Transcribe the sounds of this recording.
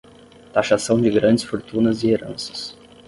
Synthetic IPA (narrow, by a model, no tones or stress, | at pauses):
t̪aʃasɐ̃w̃d͡ʒɪɡɾɐ̃nd͡ʒɪsfoɾt̪ũnɐzɪeɾɐ̰̃sɐ̥s